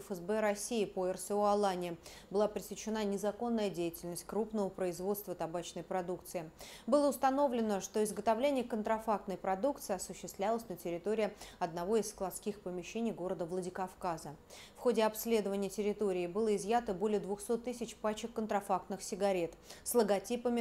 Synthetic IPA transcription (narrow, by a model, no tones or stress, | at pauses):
fəzbɛɾɐsʲiɪpoɛrsɨoɐlˠanʲɪ | bɨlˠapɾʲɪsʲɪt͡ɕːɪnanʲɪzɐko̞nːəjədʲejɪtʲɪlʲnəsʲt̚ʲkɾupnəvəpɾəɪzvo̞t̪st̪vət̪abat͡ɕnəjpɾɐd̪ukt̪sɨɪbɨlˠəʊst̪ɐno̞vlʲɪnəʂt̪o̞ɪzɡət̪avlʲenʲɪjəkənt̪ɾɐfak̚t̪nəjpɾɐd̪ukt̪sɨɪɐsʊɕːɪst̪vlʲalˠəsʲnətʲɪɾʲɪt̪o̞ɾʲɪjəɐd̪̚nɐvo̞ɪsːklˠɐt̪skʲixpəmʲɪɕːenʲɪjɡo̞ɾəd̪əvlˠədʲɪkɐfkazəfxo̞dʲɪɐpsʲlʲe̞d̪əvənʲɪjətʲɪɾʲɪt̪o̞ɾʲɪːbɨlˠəɪzjat̪əbo̞lʲɪjəd̪vʊxso̞t̪ːɨsʲɪt͡ɕpat͡ɕɪkːənt̪ɾɐfak̚t̪nɨxsʲɪɡɐɾʲe̞t̪slˠəɡɐtʲipəmʲɪ